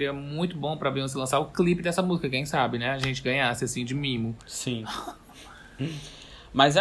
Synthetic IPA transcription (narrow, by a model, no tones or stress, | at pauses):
ɾiɐmũj̃t̪ʊbõpɾɐvẽvoʊs̬ɪlɐ̃saɾʊklipɪd̪ɛsɐmuzikɐkẽj̃sabɪnɛaʒẽnt͡ʃɪɡɐ̃ɲasɪasĩd͡ʒɪmĩmʊsĩ | mɐzɛ